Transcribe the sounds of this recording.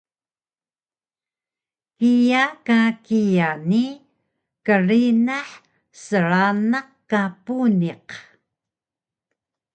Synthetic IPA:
kijakakijani | kərinaħ | səɾanaqkapuniq

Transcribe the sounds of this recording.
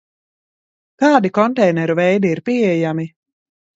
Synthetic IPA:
k̪ɑːd̪ikɔnt̪ɛjnɛɾuvɛjd̪iːɾpiɛjami

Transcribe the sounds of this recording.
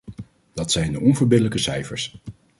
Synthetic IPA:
d̥ɑtsɛjndəɔnvəɹbɪdələkəsɛjfəɹs

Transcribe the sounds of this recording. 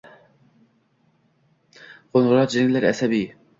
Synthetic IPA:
ʁ̥onʁʊɾɑt̪d͡ʒeŋɪlːɪɾɛ̰sɛbij

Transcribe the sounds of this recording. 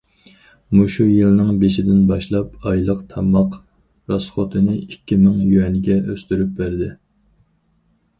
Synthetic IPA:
muʃujɨlnɨŋbeʃɪd̪ɪnbɑʃlˠɑpɑjlˠəqt̪ʰɑmɑq | ɾɑsχot̪ʰɨnɨikʲʰːimɪŋjyɛnɪɡʲɛøst̪yɾyp̚bæɾd̪ɪ

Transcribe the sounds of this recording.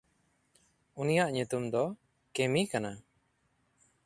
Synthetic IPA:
unijaʔɲut̪umd̪ɔ | kemikana

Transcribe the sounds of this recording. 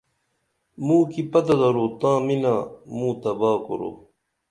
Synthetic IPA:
mũːkipɐt̪ɐd̪ɐɾoːt̪ãːminaːmũːt̪ɐbaːkoɾo̰ː

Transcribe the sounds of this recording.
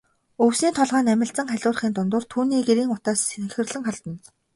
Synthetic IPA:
ɵwsiːnt̪ʰɔɮʁaːnæmʲɪ̆ɬt͡sə̆ŋχæɮʲʊːr̆χiːnt̪ʊnt̪ʊːrt̪ʰuːniːɡeɾiːŋʊt̪aːsexɘ̆rɮɘ̆ŋχaɮt̪ə̆n

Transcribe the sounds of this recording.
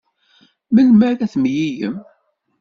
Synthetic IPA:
məlmæɾæθmjijə̰m

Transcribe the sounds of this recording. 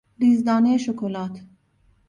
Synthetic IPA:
ɾiːzd̪ɑːneeʃokʰolɑːt̪ʰ

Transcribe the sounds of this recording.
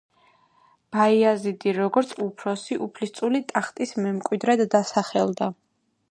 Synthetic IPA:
b̥aiazid̪iɾɔɡɔɾt̪sʰupʰɾɔsiʔupʰlist̪sʼulit̪ʼaχt̪ʼismɛmkʼwid̪ɾɛd̪d̪asaχɛld̪a

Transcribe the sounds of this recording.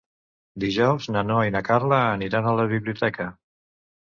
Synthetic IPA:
d̪iʒɔwznanoainakaɾləːniɾanələβiβliut̪ɛkə

